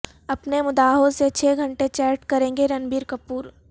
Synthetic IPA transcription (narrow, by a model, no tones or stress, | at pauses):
ɐpnemʊd̪aːɦõset͡ʃʰeːɡʱɐ̃ɳʈet͡ʃɛːɾʈkɐɾẽːŋɡeɾɐnbiːɾkɐpuːɾ